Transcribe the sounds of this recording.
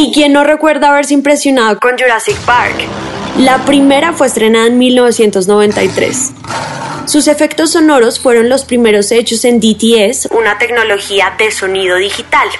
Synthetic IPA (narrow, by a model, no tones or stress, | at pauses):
ikje̞nːo̞re̞kwe̞ɾðaːβ̞e̞ɾse̞impɾe̞sjo̞naðo̞ko̞nd͡ʒuɾasik̚paɾk | lapɾime̞ɾafwe̞est̪ɾe̞naðaenmilno̞βe̞sje̞nt̪o̞zno̞β̞ẽ̞nt̪ajt̪ɾe̞̰s | suse̞fe̞kt̪o̞sːo̞no̞ɾo̞sfwe̞ɾo̞nlo̞spɾime̞ɾo̞se̞t͡ʃo̞se̞nd̪it̪iesunat̪e̞kno̞lo̞xiaðe̞so̞niðo̞ðixit̪al